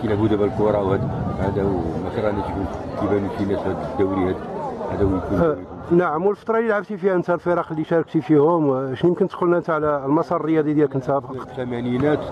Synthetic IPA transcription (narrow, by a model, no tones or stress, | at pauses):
inæbud̪æbælkʊɾˤɑwhæd̪æhæd̪æwmæk̪ɾˤɑnæt̪fuk̪ibænufinæsæb̪d̪æwɾihæd̪hæd̪æwjku | naʕəmwəlfət̪ˤɾˤɑlilʕəbt̪ifihænt̪ælfəɾˤɑqlːiʃɑɾˤɑk̚t̪ifihʊmʃnujəmkənt̪qʊlnæənt̪ʕlælmɑsˤɑrˤrəjɑd̪ˤid̪jælkənt̪æbəqqt̪æmæninæt̪